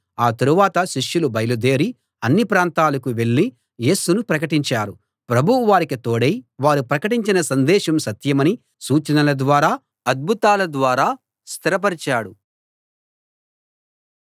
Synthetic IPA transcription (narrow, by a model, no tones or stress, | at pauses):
aːt̪ɐɾuʋaːt̪ɐʃiʂjulubɐjɐlud̪e̞ːɾi | ɐnːipɾaːnt̪aːlɐkuʋe̞ɭːi | je̞ːsunupɾɐkɐʈiɲt͡ʃaːɾu | pɾɐbʱuuʋaːɾikit̪oːɽejʋaːɾupɾɐkɐʈiɲt͡ʃinɐsɐnd̪ɛːʃɐmsɐt̪jɐmɐni | suːt͡ʃɐnɐlɐd̪ʋaːɾaː | ɐd̪̚bʱut̪aːlɐd̪ʋaːɾaː | st̪ʰiɾɐp̬ɐɾit͡ʃaːɽu